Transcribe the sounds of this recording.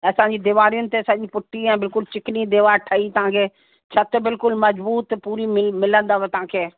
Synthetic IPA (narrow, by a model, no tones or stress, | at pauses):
ɐsãɲd͡ʑiːd̪ɪʋaːɾijʊnɪt̪eɐsãd͡ʑipʊʈʰːiɛ̃ːbɪlkʊlt͡ɕɪkɪnid̪eːʋaːʈʰəit̪ɐɦãːkʰeː | t͡ʃʰɐt̪bɪlkʊlmɐzbuːt̪puːɾiɪmɪlə̃nd̪aːʋet̪ɐɦãːkʰeː